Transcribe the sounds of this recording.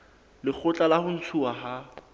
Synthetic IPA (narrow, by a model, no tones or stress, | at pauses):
lɪk͡xʰʊt͡ɬʼalahʊn̩t͡sʰuaɦa